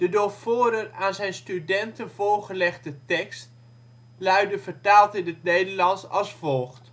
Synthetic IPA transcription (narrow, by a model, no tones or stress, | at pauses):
d̥ədofʊːɾəraːnzɛjnstydɛntənvoːɹχəlɛχdətɛkst | lœɥdəvəɹtaːlˠtɪnətnejdəɹlɑnsɑ̰lˠsfɔlˠχt